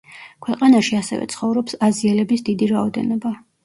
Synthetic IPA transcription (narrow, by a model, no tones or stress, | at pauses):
kʰwɛqʼanaʃiasɛ̰vɛ̰t̪sʰχɔvɾɔpsaziɛlɛbisd̪id̪iɾaɔd̪ɛ̰nɔba